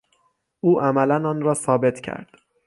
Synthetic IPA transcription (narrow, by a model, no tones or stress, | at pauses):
ʔuːʔæmælænɒːnɾɒːsɒːbe̞t̪ʰcʰæ̰ɾd̪̥